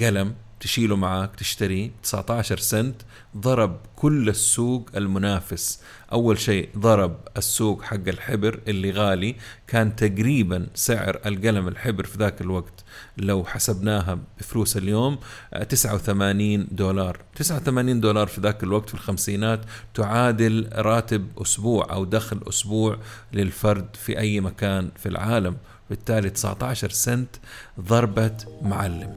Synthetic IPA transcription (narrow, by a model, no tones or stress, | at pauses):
ɡalam | t̪ɪʃiːlumaʕaːkt̪ɪʃt̪aɾit̪ɪ̥sʕt̪aʕʃɑɾˤsant̪ | ðˤɑɾˤɑb̚kʰʊlːasːuːɡalmʊnaːfɪs | ʔawːalʃeːðˤɑɾˤɑbasːuːɡħaɡːalħɪbɾʔɪlːiɣaːlikaːnt̪aɡɾiːbansɪʕ̰ɾalɡalamɪlħɪbɾfiðaːkɪlwaɡt̪ | lawħasabnaːɦab̥ɪfluːsaljoːmt̪ɪsʕawθamaːniːnd̪oːlɑːɾˤt̪ɪsʕawθamaːniːnd̪oːlɑːɾˤfiðaːkɪlwaɡ̚t̪filxamsiːnaːt̪ːʊʕaːd̪ɪlɾˤɑːt̪ɪbʔʊ̰sbuːʕʔa̰wd̪axlʔʊ̰sbuːʕlɪlfɑɾˤd̪fiʔajːmakaːnfilʕaːlam | wbɪt̪ːaːlit̪ɪ̥sa̰ʕt̪aʕʃɑɾˤsɪnt̪ðˤɑɾˤbamʊʕalːɪm